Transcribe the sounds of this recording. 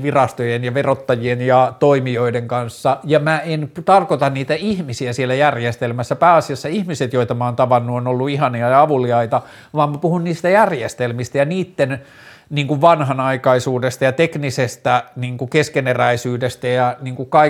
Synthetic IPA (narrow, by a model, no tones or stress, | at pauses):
ʋirɑst̪ojenjɑʋerot̪ːɑjienjɑt̪oimioideŋkɑnsːɑjɑmæent̪ɑrkot̪ɑnniːt̪æihmisiæsielːˑæjærjest̪elmæsːæpæːɑsiɑsːɑihmiset̪joit̪ɑmɑoːnt̪ɑʋɑnːuonolːuihɑniɑjɑɑʋuliɑit̪ɑ | ʋɑːmmːæpuhunniːst̪æjærjest̪elmist̪æjɑniːt̪ːen | niːŋkuʋʋɑnhɑnɑikɑisuːdest̪ɑjɑt̪eknisest̪æniːŋkukeskeneræisyːdest̪æjɑniːŋkukɑ